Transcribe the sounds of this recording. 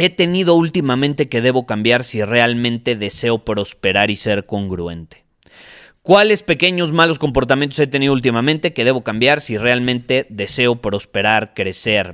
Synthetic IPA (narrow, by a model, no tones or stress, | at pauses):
e̞t̪e̞nið̞o̞ult̪imamẽnt̪e̞ke̞ðe̞βo̞kambjaɾsire̞almẽ̞nt̪e̞ðe̞se̞o̞pɾo̞spe̞ɾaɾise̞ɾko̞ŋɡɾue̞̰nt̪e̥ | kwale̞spe̞ke̞ɲo̞z̬malo̞sko̞mpo̞ɾt̪amjẽnt̪ose̞t̪e̞niðoult̪imamẽ̞nt̪e̞ke̞ðe̞βo̞kambjaɾsire̞almẽnt̪e̞ðe̞se̞o̞pɾo̞spe̞ɾaɾkɾe̞se̞ɾ